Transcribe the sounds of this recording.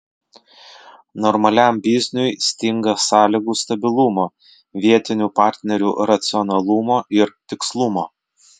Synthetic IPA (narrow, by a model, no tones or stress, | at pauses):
nɔɾmɐlʲæˑmbʲiːzʲnʲʊjsʲt̪ʲɪŋɡɐsɑːlʲiɡuːst̪ɐbʲɪlˠʊmoː | ʋʲiɛt̪ʲɪnʲuːpɑːˑɾʲt̪ʲnʲɛɾʲṵːɾɐt̪sʲɪɔnɐlˠʊmoːʔɪɾt̪ʲɪkslˠʊmoː